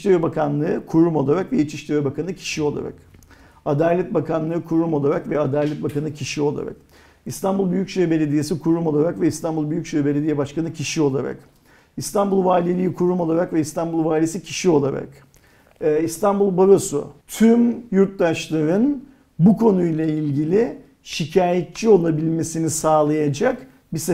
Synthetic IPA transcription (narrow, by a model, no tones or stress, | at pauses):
iʃʲevebakʰanlˠɯɯkʰuɾumo̞lˠaɾakvɛit͡ʃʰiʃt̪ʲevebakʰanɯcʰi̥ʃio̞lˠa̰ɾa̰k | ad̪aːlʲɛt̪̚bakʰanˠɯːkʰuɾumo̞lˠaɾakvɛad̪aːlʲɛt̪̚bakanɯcʰiʃio̞lˠa̰ɾa̰k | ist̪anbulˠbyjycʃøjbe̞lʲe̞d̪ijesikʰuɾumo̞lˠaɾakvɛist̪anbulˠbyjycʃøbe̞lʲed̪ijɛbaʃkanɯcʰiʃio̞lˠa̰ɾa̰k | ist̪ʰanbulˠvaːlʲilʲijikʰuɾumo̞lˠaɾakvɛist̪ʰanbulˠvaːlʲiesicʰi̥ʃio̞lˠaɾa̰kː | ist̪ʰanbulˠbaboso̰t̪ʰymjuɾt̪̚d̪aʃlˠaɾɯn | bukʰo̞nujlˠailʲɟilʲɪ | ʃicʰaːjet̪̚t͡ʃʰio̞lˠabilʲme̞sinisaːlˠajad͡ʒak | bise